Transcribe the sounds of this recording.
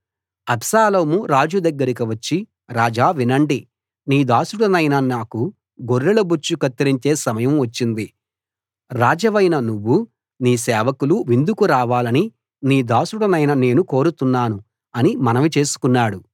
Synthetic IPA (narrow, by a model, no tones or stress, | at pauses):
ɐpsaːlɐmuɾaːd͡ʒud̪ɐɡːɐɾik̬iʋɐt͡ʃːi | ɾaːd͡ʒaːʋinɐɳɖi | niːd̪aːsuɽɐnɐjnɐnaːku | ɡoɾːelɐbut͡ʃːukɐt̪ːɐɾiɲt͡ʃe̞ːsɐmɐjɐmʋɐt͡ʃːind̪i | ɾaːd͡ʒɐʋɐjnɐnuʋːu | niːsɛːʋɐkuluʋind̪ʱukuɾaːʋaːlɐni | niːd̪aːsuɽɐnɐjnɐne̞ːnuko̞ːɾut̪unːaːnu | ɐnimɐnɐʋit͡ʃe̞ːsu̥kunːaːɽu